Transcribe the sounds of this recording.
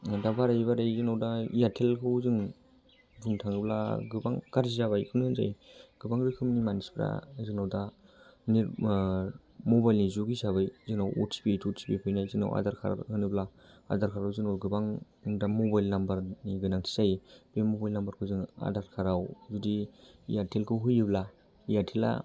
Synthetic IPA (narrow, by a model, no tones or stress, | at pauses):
dabaɾajβaɾajzɯnawdajatʰelkʰɯwzɯŋ | duŋtʰaŋɯbla̰ɡɯbaŋkaɾzizaβajkʰɯnɯɯnza̰jɡ̥ɯbaŋɾɯkʰɯmnimanisbla̰zɯŋnawdaniɾ | mobajlnizuɡisaβajzɯnawɔ̰tsi̥bitʰutsi̥pipʰɯjnajzɯna̰wʔa̰daɾkʰa̰ɾ̰hɯnɯbla | a̰daɾkʰaɾawzɯnawɡɯbaŋ | damobajlnambaɾniɡɯnaŋtʰi̥zajb̥emobajlnambaɾkʰɯzɯŋa̰daɾkʰaɾawzudiːjatʰelkʰɯɦujibla | ijaɾtʰela̰